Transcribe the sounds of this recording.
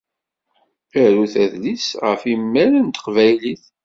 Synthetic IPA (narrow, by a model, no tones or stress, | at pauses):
æɾuθæðlisʁə̰fimːælənt̪ə̥qvæjliθ